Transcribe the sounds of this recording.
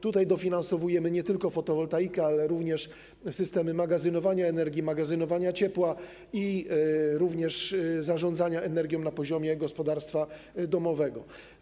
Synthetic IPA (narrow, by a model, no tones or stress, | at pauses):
t̪ut̪ajd̪ɔfʲinansɔvujɛmɘɲɛt̪ɘlkɔfɔt̪ɔvɔlt̪ajikɛalɛɾuvɲɛʂ | sɘst̪ɛmɘmaɡazɘnɔvaɲaɛnɛɾɡʲimaɡazɘnɔvaɲat͡ɕɛpwa | i | ɾuvɲɛʂzaʐɔnd̪zaɲaɛnɛɾɡʲjɔ̃w̃napɔʑɔmʲjɛɡɔspɔd̪aɾst̪fa | d̪ɔmɔvɛɡɔ